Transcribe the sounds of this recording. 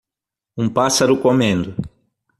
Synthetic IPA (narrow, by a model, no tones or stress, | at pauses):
ũpasɐɾʊkomẽnd̪ʊ